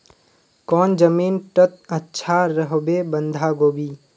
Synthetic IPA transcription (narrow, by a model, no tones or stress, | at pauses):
kɔːnd͡ʒəmiːnʈət̪̚ətːʃʰaɾəɦbebə̃nd̪ʱaɡoːbiː